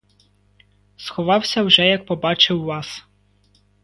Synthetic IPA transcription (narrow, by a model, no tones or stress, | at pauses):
sxɔʋɑwsʲɐwʒɛjɐk̚pɔbɑt͡ʃɪwːɑs